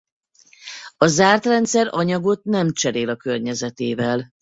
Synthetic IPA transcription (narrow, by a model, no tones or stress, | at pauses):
ɒzaːrt̪rɛnt̪sɛɾɒɲɒɡo̞t̪nɛmt͡ʃɛɾeːlɒkørɲɛzɛt̪eːvɛl